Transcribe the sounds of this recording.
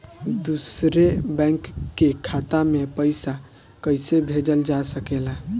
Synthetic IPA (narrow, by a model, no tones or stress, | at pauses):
d̪usɾebɛ̃ŋkːekʰat̪amepəɪsa | kəɪsebʱed͡ʒəld͡ʒasəkela